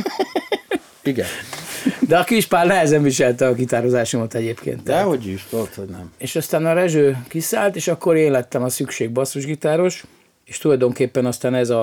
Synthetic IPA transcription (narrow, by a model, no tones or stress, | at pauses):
iɡɛn | d̪ɛɒkiʃpaːlnɛɦɛzɛɱviʃɛlt̪ɛɒɡit̪aːɾozaːʃomɒt̪ɛɟeːpkḛːnt̪dɛɦoɟyʃt̪olt̪hoɟnɛ̰meːʃɒst̪aːnɒɾɛʒøːkisaːlt̪eːʃɒkːo̞ɾeːnlɛt̪ːɛmɒsykʃeːɡ̚bɒsoʒɡit̪aːɾo̞ʃ | eːʃt̪ulɒjd̪o̞ŋkeːpːɛnɒst̪aːnɛzɒ